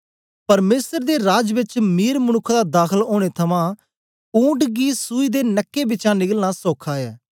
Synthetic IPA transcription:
pəɾmeːsəɾd̪eːɾaːd͡ʒʋɪt͡ʃmiːɾmənʊkʰd̪aːd̪aːkʰəloːɽ̃eːt̪ʰəmãː | ũːɳʈɡiːsuːiːd̪eːnəkːeːbɪt͡ʃãːnɪɡəlnaːsoːkʰaːɛː

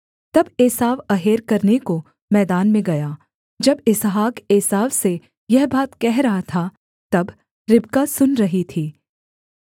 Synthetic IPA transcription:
t̪ɐbeːsaːʋɐɦeːɾkɐɾneko | mɛːd̪aːnmẽɡɐjaː | d͡ʒɐbɪsɦaːkeːsaːʋse | jɛɦbaːt̪kɛɦɾɐɦat̪ʰa | t̪ɐb | ɾɪbkasʊnɾɐɦit̪ʰiː

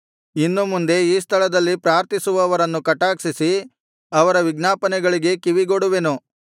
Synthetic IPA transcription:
inːumund̪e̞iːst̪ʰɐɭɐd̪ɐlːipɾaːɾt̪isuʋɐːʋɐɾɐnːukɐʈaːkʂisi | ɐʋɐɾɐʋiɡnaːpɐnɛɡɐɭiɡe̞kiʋiɡoɽuʋenu

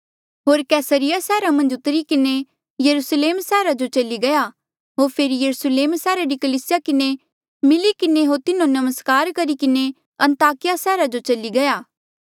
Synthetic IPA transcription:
ɦoːɾkɛːsəɾɪjasɛːɾamɐ̃nd͡ʒʊt̪ːəɾikɪne | jɐɾusleːmsɛːɾad͡ʒot͡ʃɐliɡɐja | ɦoːɾpʰeːɾijɐɾusəleːmsɛːɾaɾikɐliːsɪjakɪne | mɪlikɪneɦoːɾt̪ɪnõnɐməskaːɾkɐɾikɪne | ɐ̃nt̪aːkɪjasɛːɾad͡ʒot͡ʃɐliɡɐjaː

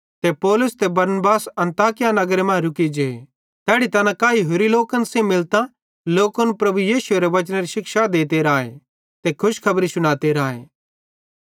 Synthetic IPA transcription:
t̪epɔːlʊst̪ebɐɾnbaːsɐ̃nt̪aːkɪjanɐɡɾemãːɾʊkid͡ʒeː | t̪ɛːɽit̪ɐnãkaːiɦʊɾiloːkɐnsẽmɪlt̪a | loːkɐnpɾɐbujiːsʊeɾeʋɐt͡ʃñeɾiʃɪkʃad̪eːt̪eɾaːḛ | t̪ekʰʊʃkʰɐbɾisʊñaːt̪eɾaːḛː

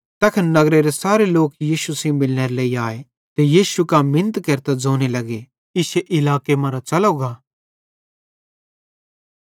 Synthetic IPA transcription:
t̪ɛːkʰɐnnɐɡɾeɾesaːɾeloːkjiːʃusĩbɪlneːɾleːiaːe | t̪ejiːʃukamɪ̃nt̪kɐɾt̪ad͡zoːnelɐɡe | ɪseʔɪlaːkemɐ̃ɾat͡ʃɐloɡaː

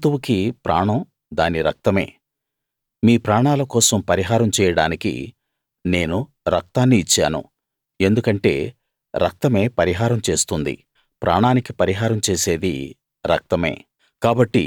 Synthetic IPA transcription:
t̪uʋukipɾʔa̰ːɳɐm | d̪aːniɾɐk̚t̪ɐme̞̰ː | miːpɾaːɳaːlɐkɔːsɐmpɐɾiɦaːɾɐmt͡ʃɛːjɐɽaːnikḭ | ne̞ːnu | ɾɐk̚t̪aːnːiːt͡ʃːa̰ːnṵ | e̞nd̪ukɐɳʈe̞ː | ɾɐ̰k̚t̪ɐme̞ːpɐɾiɦaːɾɐmt͡ʃe̞ːst̪und̪ḭ | pɾʔa̰ːɳaːnikipɐɾiɦaːɾɐmt͡ʃe̞ːse̞ːd̪ḭ | ɾɐ̰k̚t̪ɐme̞̰ː | kaːbɐʈːḭ

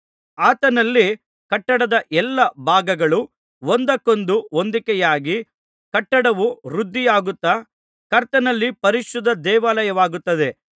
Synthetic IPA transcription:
aːt̪ɐnɐlːi | kɐʈːɐɽɐd̪ɐʔɛlːɐbʱaːɡɐɡɐɭu | ʋond̪ɐkond̪uond̪ikɛjaːɡi | kɐʈːɐɽɐʋuɾud̪ʱːijaːɡut̪ːa | kɐɾt̪ɐnɐlːipɐɾiʃud̪ːɐd̪ɛːʋaːlɐjɐʋaːɡut̪ːɐd̪e̞

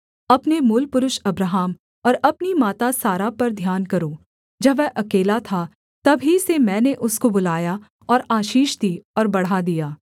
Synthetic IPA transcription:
ɐpnemʊlpʊɾʊʃɐbɾəɦaːm | ɔːɾɐpnimaːt̪asaːɾapɐɾd̪ʱjaːnkɐɾoː | d͡ʒɐbʋɛʔɐkeːlat̪ʰa | t̪ɐbʱisemɛ̃ːneʔʊskobʊlaːja | ɔːɾaːʃiːʃd̪iːɔːɾbɐɽ̤ad̪ijaː

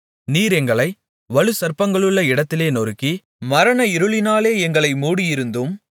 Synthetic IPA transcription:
niːɾɛŋɡɐɭɐɪ | ʋɐɭɯsɐɾpɐŋɡɐɭɯɭːɐɪɽɐt̪ːɪleːnɔɾɯkːi | mɐɾɐnɐɪɾɯɭɪnaːleːɛŋɡɐɭɐɪmuːɽɪjɪɾɯnd̪ɯm

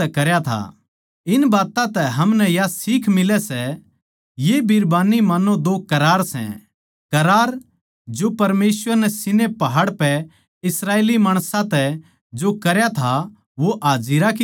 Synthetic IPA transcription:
ɛkɐɾjat̪ʰa̰ | ɪnbaːt̪ãt̪ɛɦɐmnɛjasiːkʰmɪlɛsɛ | jebʱɪɾbaːnimɐnõd̪oːkɐɾaːɾsɛ̰̃ | kɐɾaːɾ | d͡ʒopɐɾmeːsʋəɾnɛsɪnepɐɦaːɽpɛ | ɪsɾaːeːlimaːɽ̃sãt̪ɛ | d͡ʒokɐɾjat̪ʰa | ʋoʔaːd͡ʒɪɾaki

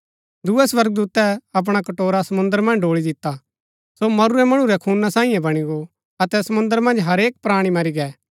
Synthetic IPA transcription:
d̪uːɛsʋɐɾɡ̚d̪uːt̪ɛɐp̬ɽ̃akɐʈoːɾasɐmʊ̃nd̪əɾmɐ̃nd͡ʒɖoːɭid̪ɪt̪ːa | somɐɾuɾɛmɐɽ̃ũɾɛkʰuːnasãːĩjɛ̃bɐɽ̃iɡo | ɐt̪ɛsɐmʊ̃nd̪əɾmɐ̃nd͡ʒɦɐɾeːk̚pɾaːɽ̃imɐɾiɡɛː

